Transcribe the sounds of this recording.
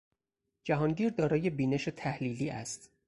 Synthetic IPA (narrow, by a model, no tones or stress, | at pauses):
d͡ʒæɦɒːnɟiːɾd̪ɒːɾɒːje̞biːne̞ʃet̪ʰæhliːliːʔæ̰st̪